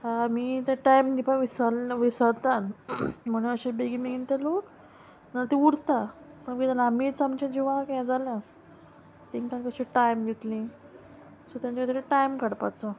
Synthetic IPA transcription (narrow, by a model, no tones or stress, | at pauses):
amit̪aʈajmd̪ipaʋisalʋisət̪anm̤ənəɕebeɡimeɡint̪elok | nalt̪iuɽt̪apəɳɡet̪əlamiːt͡samt͡ɕad͡ʑiʋakjãd͡zaljã | t̪iŋkankəɕiʈajmɡʱet̪lĩ | sot̪jãnt͡ɕikt̪t̪eʈajmkəɽpat͡sə